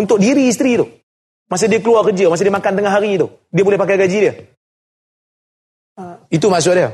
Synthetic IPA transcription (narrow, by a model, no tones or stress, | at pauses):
unt̪ʊk̚diɾiːs̬t̪ɾit̪ʊh | mas̬adiakəluarkəd͡ʒamas̬adiamakant̪əŋaɦaɾit̪ʊ | diabolɛhpakajkad͡ʒidia | ait̪umas̬ʊʔdia